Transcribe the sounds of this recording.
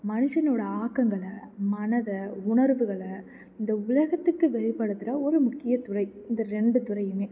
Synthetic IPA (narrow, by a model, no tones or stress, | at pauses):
mɐnɯʂɐnoːɽɐaːkːɐŋɡɐɭmɐnɐðɐʊɳɐɾʋɯɣɐɭɐ | ɪnd̪ɐʊlɐɣɐt̪ːɯkːɯʋɛɭɪpːɐɽɯt̪ːɯɾɐɔɾɯmʊkːɪjɐt̪ʊrɐɪɪnd̪ɐɾɛɳɖɯt̪ʊɾɐɪjɯmeː